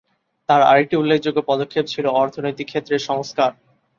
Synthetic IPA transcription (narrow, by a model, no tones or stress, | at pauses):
t̪aɾa̰jʈiulːekʰd͡ʑoɡːopɔd̪okʰːep̚t͡ɕʰiloɔɾt̪ʰonojt̪ikʰːet̪ːɾeʃɔŋskaɾ